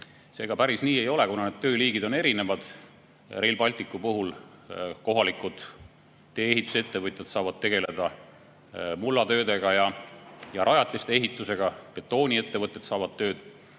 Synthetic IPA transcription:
se̞ːɡ̥ɑpæɾisniːe̞jo̞lekunɑned̪t̪ø̞ːliːɡid̪o̞ne̞ɾine̞vɑd̪̥ | re̞lbɑlʲt̪ˑikːˑupuɦul | ko̞ɦɑlikud̪̥ | t̪ːe̞ːeɦit̪ːˑu̥se̞t̪ːe̞vɤt̪ʲːˑɑt̪sɑːvɑd̪̚t̪e̞ɡ̥e̞le̞d̪̥ɑ | mulːɑt̪ø̞ːd̪e̞ɡ̥ɑjɑjɑɾʔɑjɑt̪ːˑist̪ee̞ɦit̪ːˑuse̞ɡ̥ɑpe̞t̪ːˑo̞ːnʲie̞t̪ːe̞vɤt̪ːˑe̞t̪sɑːvɑd̪̚t̪øːd̪̥

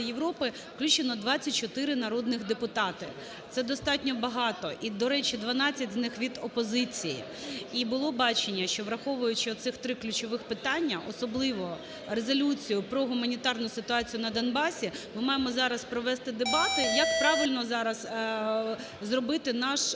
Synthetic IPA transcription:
jeʋɾɔpɪ | fklʲut͡ʃenɔd̪ʋɑt͡sʲːɐt̚ʲt͡ʃɔt̪ɪɾɪnɐɾɔd̪nɪxd̪epʊt̪ɑt̪ɪ | t̪sɛd̪ɔst̪ɑtʲnʲɔbɐɦɑt̪ɔʔid̪ɔɾɛt͡ʃid̪ʋɐnɑt͡sʲːɐtʲznɪxʋʲid̪ɔpɔzɪt͡sʲijḭ | ibʊlˠɔbɑt͡ʃenʲːɐʃt͡ʃɔʋɾɐxɔʋʊjʊt͡ʃɪɔt̪sɪxt̪ɾɪklʲʉt͡ʃɔʋɪxpɪt̪ɑnʲːɐʔɔsɔblˠɪʋɔ | rezɔlʲut͡sʲijʊpɾɔɦʊmɐnʲit̪ɑrnʊsɪt̪ʊɑt͡sʲijʊnɐd̪ɔnbɑsʲimɪmɑjemɔzɑɾɐspɾɔʋɛst̪ɪd̪ebɑt̪ɪjɐk̚pɾɑʋɪlʲnɔzɑɾɐs | zrɔbɪt̪ɪnɑʃ

